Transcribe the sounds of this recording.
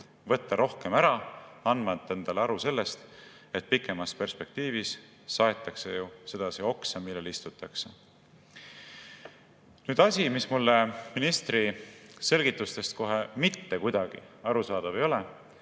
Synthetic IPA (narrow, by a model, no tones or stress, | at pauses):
vɤ̞t̪ːɑɾo̞hke̞mæɾɑɑnmɑt̪ːˑend̪̥ɑleɑɾuse̞lːe̞st̪ | e̞t̪̚pikːˑe̞mɑspe̞rspe̞k̚t̪iːvisː | ɑe̞t̪ːˑɑkse̞juse̞d̪̥ɑsio̞ksɑmilːe̞list̪ut̪ːˑɑkse | nyːd̪̥ɑsʲimismulːeminist̪rise̞lɡit̪ːˑust̪e̞st̪ko̞ɦe̞mit̪ːe̞kujd̪̥ɑɡ̥ḭɑɾusɑːd̪̥ɑve̞jo̞le